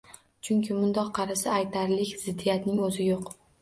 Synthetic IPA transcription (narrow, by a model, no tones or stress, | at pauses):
t͡ʃʰʊŋkʲʰɪmʊnd̪ɒqʰːɑɾɪsɪajt̪ʰaɾlɪkʲzɪd̪ːijat̪nɪŋɵzɪjoq